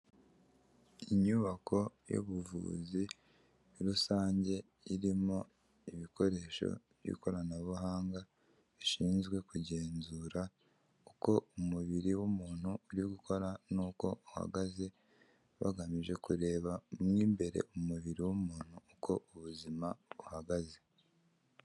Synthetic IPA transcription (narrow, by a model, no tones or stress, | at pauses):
iɲuβakʰo̞jo̰βuvṵːzi | ɾusaːɲɟe̞ | iɾimo̞ | iβikʰo̞ɾe̞ːʃo̞̰βjḭko̞ɾanaβuɦaːŋɡa | βiʃiːnzɡwe̞kuɟe̞ːnzuːɾa | uko̞umuβiɾiwumuːn̥huːɾiɡukʰo̞ɾanuːko̞uha̰ɡaze̞ | βa̰ɡamiʒe̞kuɾe̞ːβamŋiːmbe̞ɾe̞̰ʔumuβiɾiwumuːn̥huːkʰo̞ʔuβuzimauhaɡaze